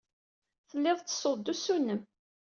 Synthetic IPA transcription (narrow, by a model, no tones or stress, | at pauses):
θəlːɪðˤt͡sːə̥sˤod̪ːusunːəm